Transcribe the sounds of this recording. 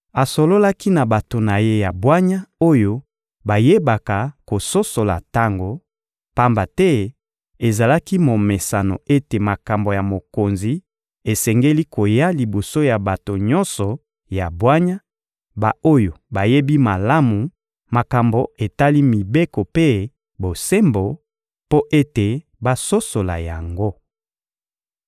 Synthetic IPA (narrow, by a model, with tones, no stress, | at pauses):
a˨so˨lo˦la˦ki˦na˨ba˨to˨na˨je˦ja˨bwa˦ɲa˦o˦jo˦ | ba˨je˦ba˨ka˨ko˨so˦so˨la̰˨ta˦ŋɡo˨ | pa˦mba˨tɛ˦ | e˨za˨la˦ki˦mo˨me˨sa˨no̰˨e˦te˨ma˨ka˨mbo˨ja˨mo˨ko˨nzi˨ | e˨sɛ˨ŋɡe˦li˦kʰo˨ja˦li˨bo˨so˦ja˨ba˨to˨ɲɔ˦nsɔ˨ | ja˨bwa˦ɲa˦ | ba˨o˦jo˨ba˨je˦bi˦ma˨la˦mu˨ | ma˨ka˨mbo˨e˨ta˦li˦mi˨be˦ko˨pe˦ | bo˨se˦mbo˨ | po˦ʔe˦te˨ | ba˦˨so˦so˨la̰˨ja˨ŋɡo˦